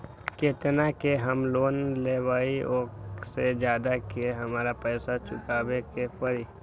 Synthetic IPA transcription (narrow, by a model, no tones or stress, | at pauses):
keːt̪nakeɦəmloːnleʋaːioːksed͡ʒjaːd̪akeɦəmaːɾapəːsat͡ʃʊkaːbekepəɾi